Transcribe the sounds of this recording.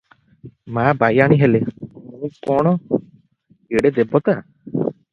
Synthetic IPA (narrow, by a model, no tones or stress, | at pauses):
maːbajaɽ̃iɦelemũkɔɽ̃ɔ | ɡeɽed̪ebɔt̪a